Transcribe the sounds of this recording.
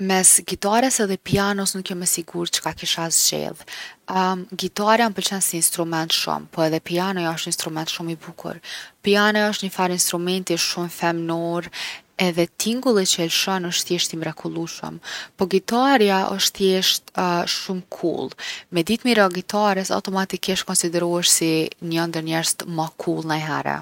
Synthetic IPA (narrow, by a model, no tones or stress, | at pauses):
mɛsɡit̪aɾɛsɛðɛpianɔsnukjɛmɛsiɡuɾt͡ʃə̥kakiʃazd͡ʑɛ̰lˠ | ɡit̪aɾjanpəɾt͡ʃɛnsiːnst̪ɾumɛnt̪ʃṵmpɔɛðɛpianɔjɔʃt̪inst̪ɾumɛnt̪ʃumibukʰṵɾpianɔjɔʃt̪ɲəfaɾinst̪ɾumɛnt̪iʃumfɛmnɔɾɛðɛt̪ʰiŋɡulˠit͡ɕəɛlʃɔnɔʃt̪jɛʃt̪imɾɛkʰulˠuʃə̰mpɔɡit̪aɾjaʔɔ̰ʃt̪jɛʃt̪ʃumkʰṵlˠmɛd̪it̪miɾaɡit̪aɾɛsa̰wt̪ɔmat̪ikiʃt̪̚kɔnsid̪ɛɾuɛʃsiɲɔnd̪əɾɲɛɾst̪makʰulˠnajɦɛ̰ɾɛ̰